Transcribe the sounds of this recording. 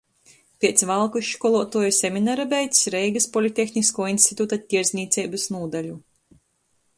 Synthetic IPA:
pʲeɛt̪svalˠkuʃkɔlˠuɔt̪uɔjusʲemʲinaɾabʲɛjt̪sɾɛjɡɐspɔlʲit̪ʲːexnʲiskuɔinst̪ʲit̪ut̪at̪ʲːiɛɾzʲnʲiːt̪sɛjbɨsnuːd̪alʲu

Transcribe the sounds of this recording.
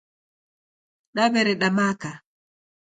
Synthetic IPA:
ɗaβɛɾɛɗamaka

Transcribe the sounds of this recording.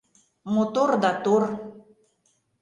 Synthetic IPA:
mot̪ord̪at̪or

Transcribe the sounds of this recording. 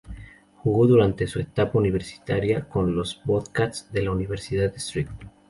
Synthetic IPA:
xuɣo̞ðuɾant̪e̞suet̪apauniβ̞e̞ɾsi̥t̪aɾjako̞nlo̞zboðkat̪sðe̞launiβe̞ɾsiðaðest̪ɾit̪̚

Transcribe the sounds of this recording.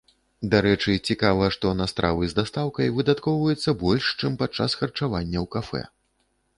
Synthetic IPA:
d̪aɾɛt͡ʂɨt͡sʲikavɐʂt̪ɔnast̪ɾʔa̰vɨzd̪ast̪awkɐjvɨd̪at̪kɔwvɐjɛt̪sːɐbɔlʲʂt͡ʂɨmpat͡ʂːasxɐrt͡ʂavanʲːɐwkafɛ̰

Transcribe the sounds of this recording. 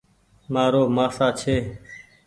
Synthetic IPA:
maːɾoːmaːsaːt͡ʃʰeː

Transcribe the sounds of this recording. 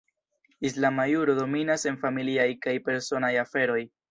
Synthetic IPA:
islamajuɾodo̞minase̞nfamiliajkajpe̞ɾso̞najafe̞ɾo̞j

